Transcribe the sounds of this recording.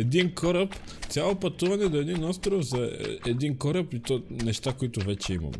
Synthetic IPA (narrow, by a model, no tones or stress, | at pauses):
ɛd̪inkʰɔɾəp | t̪sʲalˠopɐt̪uvɐnɛd̪oɛd̪inɔst̪ɾofzɐɛd̪inkɔɾɐpit̪ɔnɛʃt̪akoit̪ʊvɛt͡ʃɛimɐ̰m